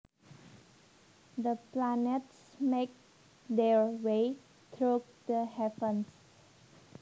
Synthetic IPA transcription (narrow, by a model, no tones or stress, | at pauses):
d̪əplaneʈsmek̚ | d̪eɹwe | t̪ʰɾo | d̪əhɛpə̃ns